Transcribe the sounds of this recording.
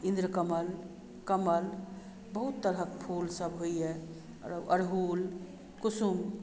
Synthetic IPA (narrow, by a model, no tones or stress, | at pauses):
ĩnd̪ɾəkəməl | kəməl | bəɦut̪ːəɾɦəkpʰulsəbɦoiɦɛ | əɾɦul | kusum